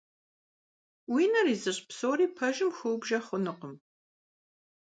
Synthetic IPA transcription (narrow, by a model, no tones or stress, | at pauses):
wiːnɐriːzɨɕʼpsoːɾiːpʰɐʒɪmxɨwbʒɐχʷʊnɨqəm